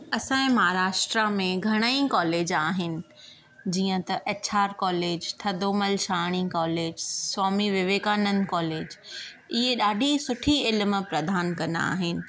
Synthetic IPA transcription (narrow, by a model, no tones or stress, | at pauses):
ɐsãːɪ̃mɐɦaːɾaːʃʈɾamẽɡʱɐɽ̃aĩkɔːleːd͡ʑaːɦɪnɪ̆ | d͡ʑiːə̃t̪ɐʔɐt͡ɕʰaːɾkɔːleːd͡ʑt̪ʰɐd̪oːməlʃaːɽ̃ĩkɔːleːd͡ʑswaːmiʋɪʋeːkaːnənkɔːleːd͡ʑ | ɪɦeɗaːɖʱisʊʈʰiɪlm̆pɾɐd̪ʱaːnkɐ̃nd̪a̰a̰ːɦɪnɪ̆